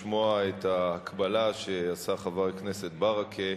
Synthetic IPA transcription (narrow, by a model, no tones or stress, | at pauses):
moaethaːkʰbalaʃeasaχavaʁknese̞t̪baʁakʰe